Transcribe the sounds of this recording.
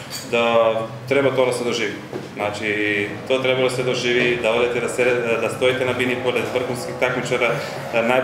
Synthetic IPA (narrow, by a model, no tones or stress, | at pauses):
d̪at̪ɾɛbat̪oad̪asɛd̪oʒivi | znat͡ʃit̪oat̪ɾɛbad̪asɛd̪oʒivid̪aod̪ɛt̪ɛd̪asɛd̪ast̪oit̪ɛnabinipolɛd̪brxunskixt̪akmit͡ʃaɾa | na